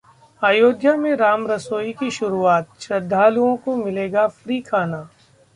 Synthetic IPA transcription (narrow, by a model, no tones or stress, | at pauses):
aːjoːd̪ʱjamẽɾaːmɾɐsoːikiʃʊɾuaːt̪̚ʃɾɐd̪ʱːaːluõkomɪleːɡafɾiːkʰaːnaː